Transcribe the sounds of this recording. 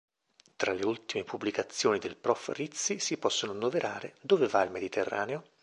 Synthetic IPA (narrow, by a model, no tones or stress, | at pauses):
t̪ɾaleult̪imepubːlikat̪sːjoːnid̪elpɾɔfrit̪sisipɔsːononːoveɾʔaːɾḛd̪oːvevailmed̪it̪ʰerːa̰ːneo